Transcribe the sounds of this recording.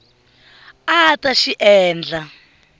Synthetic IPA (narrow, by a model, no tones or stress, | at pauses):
ataʃiʔɛːnd͡ɮa